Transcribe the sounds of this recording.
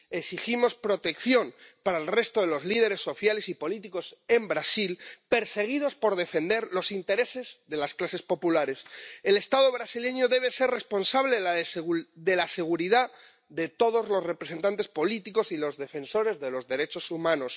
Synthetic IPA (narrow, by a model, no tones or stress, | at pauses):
eksiximo̞spɾo̞t̪e̞kθjo̞npaɾaelre̞st̪o̞ðe̞lo̞zliðe̞ɾe̞sːo̞θjale̞sipo̞lit̪iko̞se̞mbɾasilpe̞ɾse̞ɣ̞ið̞o̞spo̞ɾðe̞fe̞nd̪e̞ɾlo̞sint̪e̞ɾe̞se̞zðe̞lasklase̞spo̞pulaɾe̞sele̞st̪aðo̞β̞ɾasile̞ɲo̞ðe̞β̞e̞se̞ɾre̞spo̞nsaβle̞ðsðe̞lase̞ɣ̞uɾiða | ðe̞t̪o̞ð̞o̞zlo̞zre̞pɾe̞se̞nt̪ant̪̬e̞spo̞lit̪iko̞silo̞zðe̞fe̞nso̞ɾe̞zðe̞lo̞zðe̞ɾe̞t͡ʃo̞sumãno̞s